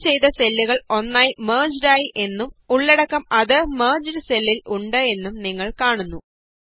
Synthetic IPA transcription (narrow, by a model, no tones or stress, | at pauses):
t͡ɕe̞jt̪ɐse̞lːuɣɐɭo̞nːaːjmeːd͡ʑɾaːjiʔe̞nːumuɭːeɽɐkːɐmɐðɨmɐːd͡ʑɐɾɨselːiluɳɖɨe̞nːumniŋːɐɭkaːɳunːu